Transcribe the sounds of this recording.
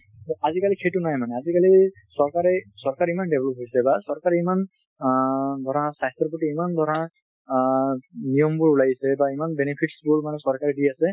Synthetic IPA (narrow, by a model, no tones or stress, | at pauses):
ɔazikalikʰetʊnajmanɛazikali | sɔɹkaɹɛsɔɹkaɹimandɛblɔp̚ɦojsɛbasɔɹkaɹɛiman | d̪ʱɔɹãsajstɔɹpuʈiimand̪ʱɔɹã | nijɔmbʊɹlajsɛbaimanbenepʰiʈsbʊɹmanɛsɔɹkaɹdiasɛ